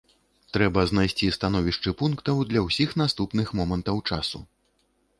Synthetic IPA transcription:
t̪ɾɛbɐznajsʲt͡sʲist̪anɔvʲiʂt͡ʂɨpunkt̪ɐwd̪lʲɐwsʲixnast̪upnɨxmɔmɐnt̪ɐwt͡ʂasṵ

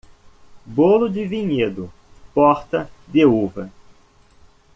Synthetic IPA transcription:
bolʊd͡ʒɪviɲed̪ʊ | pɔɾt̪ɐd̪euvɐ

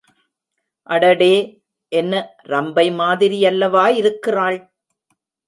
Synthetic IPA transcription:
ʔɐɽɐɽeː | ʔɛnːɐ | ɾɐmbɐɪmaːðɪɾɪjɐlːɐʋaːjɪɾɯkːɪraːɭ

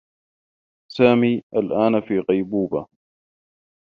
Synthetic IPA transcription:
saːmiːʔalʔaːnfiːqɑjbuːba

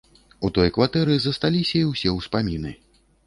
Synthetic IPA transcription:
ut̪ɔjkvat̪ɛɾɨzɐst̪alʲisʲɐiwsʲɛwspamʲinɨ̰

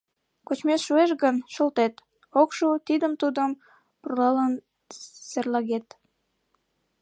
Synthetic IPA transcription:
kot͡ɕmesʃueʃɣənʃə̆lt̪et̪ | okʃut̪id̪əmt̪ud̪əm | purlɑlən | serlɑɣet̪

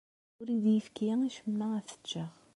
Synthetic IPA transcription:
ʊɾiðjəfkiŋiʃəmːææθə̥t͡ʃːəʁ

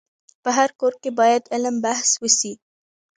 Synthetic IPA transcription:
pəɦaɾkoːɾ̚kebɑːjəd̪ɐləmbahswʊsi

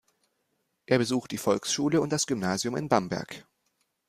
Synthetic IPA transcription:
ʔeːɐbəzuːxt̚d̥iːfɔlksʃuːləʊnt̚d̥asɡ̥ʏmnaːzjʊmɪ̰nbambɛ̰ɐk

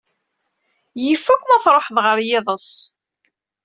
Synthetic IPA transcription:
jifːækʷːmæθɾˤoħðˤʁəɾjɪðˤəsˤ

